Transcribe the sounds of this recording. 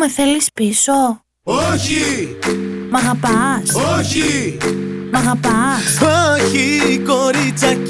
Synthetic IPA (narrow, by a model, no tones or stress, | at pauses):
meθelispiso̞ | oçi | mɐɣɐpɐsoçi | mɐɣɐpɐsoçikoɾit͡sɐ